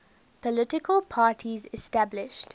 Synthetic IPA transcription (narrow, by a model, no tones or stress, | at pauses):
pʰəlɪʈɪkəlˠpʰaːʈʰizɪstæblɪʃt